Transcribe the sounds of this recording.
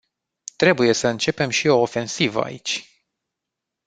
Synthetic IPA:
t̪ɾe̞buje̞səɨnt͡ʃe̞pe̞mʃio̞ːfe̞nsivə̰a̰it͡ʃʲ

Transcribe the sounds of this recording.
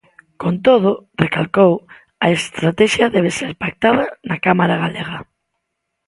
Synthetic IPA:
kont̪oð̞ʊrekalkow | aest̪ɾat̪ɛʃjaðɛβ̞eseɾpak̚t̪aðanakamaɾaɣaleɣ̞a

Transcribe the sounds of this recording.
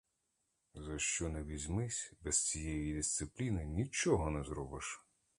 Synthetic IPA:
zɐʃt͡ʃɔnɛʋʲizʲmɪsʲbɛst͡sʲijɛjid̪ʲist̪sɪplʲinɪnʲit͡ʃɔɦɔnɛzɾɔbɪʃ

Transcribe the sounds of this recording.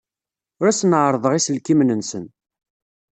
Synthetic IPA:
ʊɾæsnəʕɾˤəðˤəʁisəlkimnənsən

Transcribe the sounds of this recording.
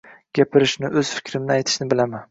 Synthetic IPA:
ɡʲapʰɪɾɪʃnɪʔɵz̥fɪ̥kʲʰɾɪmnɪajt̪ʰɪ̥ʃnɪbɪlaman

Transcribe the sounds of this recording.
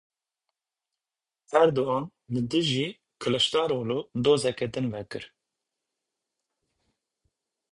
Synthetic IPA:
ɛɾd̪oɑːnlɨd̪ɨʒiː | kʰɨlɨʃt̪ɑːɾoːlud̪oːzɛkɛd̪ɨnvɛkɨɾ

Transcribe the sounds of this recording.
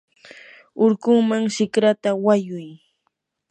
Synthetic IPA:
ʊɾkʊŋmaŋʃɪkɾat̪awajʊj

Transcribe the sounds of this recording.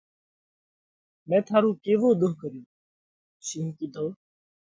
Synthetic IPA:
mɛ̃ːt̪ʰaːɾũːkeːʋoːd̪ʊɦkəɾjõː | ʃĩːɦkiːd̪oː

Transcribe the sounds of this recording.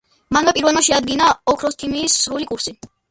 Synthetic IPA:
manvɛpʼiɾvɛlˠmaʃɛad̪̚ɡinaɔkʰɾɔsk̪ʰimiːsːɾulikʼuɾsi

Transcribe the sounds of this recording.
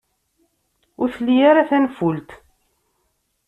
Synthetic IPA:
ʊɾθlːijaɾaθænfult̪

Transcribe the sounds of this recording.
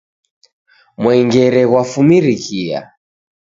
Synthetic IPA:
mwɛŋɡɛɾɛɣwafumiɾikʰia̰

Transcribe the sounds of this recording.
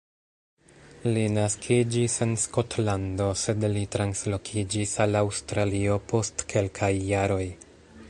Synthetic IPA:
linaskʰid͡ʒise̞nsko̞tlando̞se̞dlitɾanslo̞kʰid͡ʒisalawstɾalio̞po̞stkʰe̞lkʰajːaɾo̞j

